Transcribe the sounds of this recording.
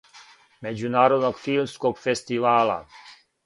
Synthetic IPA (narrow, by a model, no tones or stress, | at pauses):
mɛd͡ʒunaːɾod̪nɔkfilmskɔkfɛst̪ivaːla̰